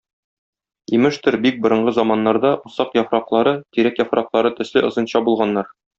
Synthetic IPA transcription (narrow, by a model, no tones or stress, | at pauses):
imɘʃt̪ɘɾbik̚bŏɾɤ̆ɴɢɤzɑmɑnːɑɾd̪ɑʔusɑqjɒfɾɑqlˠɑɾɤt̪iɾækjɒfɾɑqlˠɑɾɤt̪ɘ̆slɘʔɤ̆zɤ̆nɕɑbulˠʁɑnːɑɾ